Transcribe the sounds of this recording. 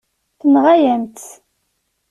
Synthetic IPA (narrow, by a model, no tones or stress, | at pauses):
θənʁajæmt̪